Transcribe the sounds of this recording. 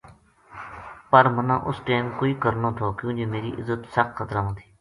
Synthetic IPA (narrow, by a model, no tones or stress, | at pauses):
pəɾmənã̰ːʔʊsʈeːmkoːiːkəɾnoːt̪ʰoːkjũːd͡ʒeːmeːɾḭːʔɪzːət̪səxt̪xʰət̪ɾaːɦõːd̪iː